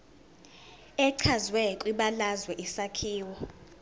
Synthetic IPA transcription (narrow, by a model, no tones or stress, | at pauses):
ɛǀʰazwɛǃwiɓalazwɛʔisakʰiːwɔ